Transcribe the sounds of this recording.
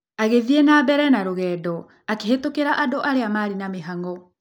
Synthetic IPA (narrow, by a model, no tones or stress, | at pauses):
aɣeðienaːbɛɾɛnaɾoɣɛːdɔ | akehetokeɾaʔadoʔaɾeamaɾinameɦaŋɡɔ